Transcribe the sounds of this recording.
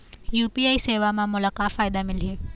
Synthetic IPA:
juːpiaːiseːʋamãmʊlakaːfaːjɪd̪amɪl̤ieː

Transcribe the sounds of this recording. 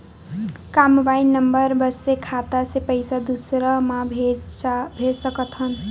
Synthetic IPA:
kambajnːəmbəɾbəsekʰat̪asepəɪsad̪usɾəmabʱebʱesəkət̪ɦən

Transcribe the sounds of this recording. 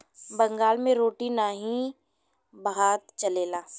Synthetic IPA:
bɐ̃ŋɡaːlmẽɾoːʈinaɦĩ | bɐɦaːt̪̚t͡ʃɐleːlaː

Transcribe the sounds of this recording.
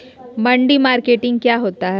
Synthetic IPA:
mɐ̃ɳɖimaːɾkeːʈɪ̃ŋɡ̚kjaːɦoːt̪aɦɛ

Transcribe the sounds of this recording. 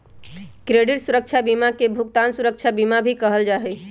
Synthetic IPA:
kɾeɖiʈsuɾək̚t͡ʃʰabimakebʱuk̚t̪ansuɾək̚t͡ʃʰabimabʱikəɦəld͡ʒaɦɛ

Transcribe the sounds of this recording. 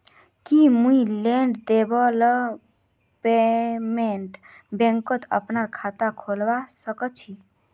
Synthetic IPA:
kimuileɳɖd̪ebɔlə | pemeɳʈ | bẽŋkət̪ʰə̰pnaɾkʰat̪akʰolbasəkət͡ʃʰi

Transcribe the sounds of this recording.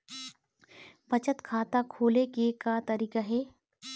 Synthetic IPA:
pɐt͡ʃət̪kʰaːt̪akʰoːlekekat̪ɐɾiːkaɦɛː

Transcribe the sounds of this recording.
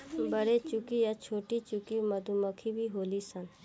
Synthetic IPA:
bəɽet͡ʃukijat͡ʃʰoːʈit͡ʃʊkimɐd̪uməkʰibʱiɦoːlisən

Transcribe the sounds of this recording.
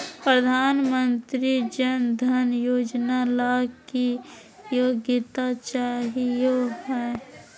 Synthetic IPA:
pɾəd̪ʱaːnmənt̪ɾid͡ʒənd̪ʱənjoːd͡ʒnalaːɡki | joːɡɪt̪at͡ʃaːɦijoɦɛː

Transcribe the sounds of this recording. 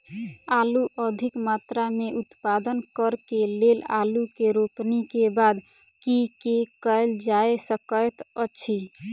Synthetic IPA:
aluʔəd̪ʱikmat̪ɾameʔut̪pad̪ənkəɾkelelalukeɾoknikebad̪kikekəɪld͡ʒaesəkəjt̪ət͡ʃʰi

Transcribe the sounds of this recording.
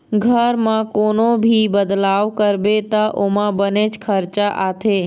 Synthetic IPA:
ɡʱəɾmãkonobʱibəd̪laʋkəɾbet̪əʔomãbənet͡ʃkʰəɾt͡ʃaʔat̪ʰe

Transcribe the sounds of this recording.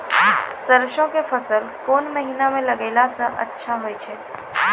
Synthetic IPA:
səɾʃõkefʰəsəlkoːnməɦiːnamẽləɡeɪlasə̃ʔə̰tːʃʰaɦoːjt͡ʃʰe

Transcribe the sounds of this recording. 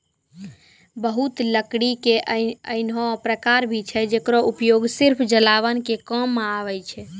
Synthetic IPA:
bəɦut̪ləkɽikeəɪnɦõpɾəkaɾbʱit͡ʃʰɛd͡ʒekɾoʔupjoɡsiɾpʰd͡ʒəlaʋənkekəmːẽaβɛt͡ʃʰɛ

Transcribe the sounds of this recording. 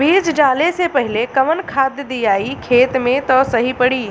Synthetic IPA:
bʱid͡ʒd͡ʒaːlesepəɦilekəmənkʰad̪jəd̪ijaikʰet̪met̪ɔsəɦipəɽi

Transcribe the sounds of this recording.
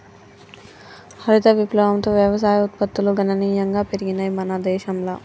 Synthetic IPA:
hɐɾit̪ɐʋiplɐʋɐmt̪oːʋjɐʋɐs̬aːjɐut̪pɐt̪ːuluɡɐnɐniːjɐŋɡaːpeɾiɡinɐimɐnɐd̪ɛːʃɐmlɐ

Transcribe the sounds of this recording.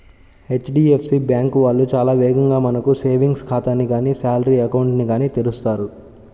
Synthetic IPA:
e̞t͡ʃɖiːepʰsibjaːŋkʋaːɭːut͡ʃaːlaːʋɛːɡɐŋɡaːmɐnɐkuseːʋiŋɡskʰaːt̪aːniɡaːnisaːlɐɾiɐkɐwɳʈniɡaːniːt̪eɾust̪aːɾu

